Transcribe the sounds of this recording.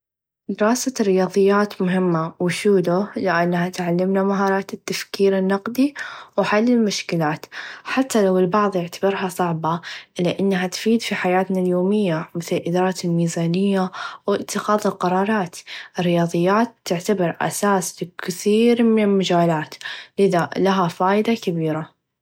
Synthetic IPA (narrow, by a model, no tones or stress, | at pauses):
d̪ɪɾɑːsarːɪjɑːðˤɨjːaːt̪mʊɦɪmːawɪʃuːlʊlɪʔanːhat̪ʕalːɪmnamaɦɑːɾˤɑːt̪ɪt̪ːafkiːɾɪnːɑqd̪iwħalːɪlmʊʃkɪlaːt̪ħat̪ːalawɪlbɑʕðˤjɪʕt̪ḁbɪɾɦɑsˤɑʕbɑlɪʔanːɦat̪fiːd̪fiħajaːt̪naljoːmɪjːamɪθlɪlʔɪd̪ːɾˤɑːt̪ɪlmiːzaːnɪjːawɪt̪ːɪxɑːðˤɪlqɑɾˤɑːɾˤɑːt̪ɪrːɪjɑːðˤɨjːaːt̪ːɪʕt̪abɑɾˤʔa̰saːslɪkɪθiːɾmɪnɪlmad͡ʒaːlaːt̪lɪðalaɦafaːjd̪akabiːɾa